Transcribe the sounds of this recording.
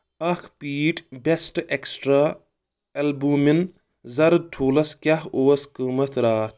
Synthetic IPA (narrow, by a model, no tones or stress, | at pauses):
ɐkʰpiːʈbesʈeksʈɾaː | elbumin | zɐɾʈʰoːlɐskʲjahoːskəːmɐt̪ʰɾaːt̪ʰ